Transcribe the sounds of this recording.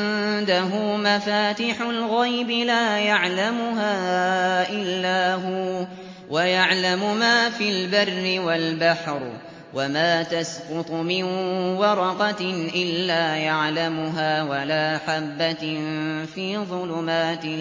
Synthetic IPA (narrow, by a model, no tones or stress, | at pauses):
nd̪aɦʊmafaːt̪iħʊlɣajbɪlaːjaʕlamʊɦaːʔɪlːaːɦʊ | wajaʕlamʊmaːfilbarːɪwalbaħɾ | wamaːt̪asqʊt̪ˤmɪnwɑɾˤɑqɑʔɪlːaːjaʕlamʊɦaːwalaːħabːa | fiːðˤʊlʊmaːt̪ɪ